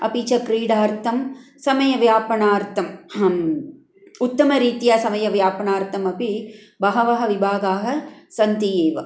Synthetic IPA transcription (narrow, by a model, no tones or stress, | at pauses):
ɐ̰pit͡ʃɐkɾiːɽaːɾt̪ɐm | sɐmɐjɐʋjaːpɐɳaːɾt̪ɐm | ʊt̪ːɐmɐɾiːt̪ijaːsɐmɐjɐʋjaːpɐɳaːɾt̪ɐmɐpi | bɐɦɐʋɐɦɐʋɪbʱaːɡaːɦɐsɐnt̪ijeːʋɐ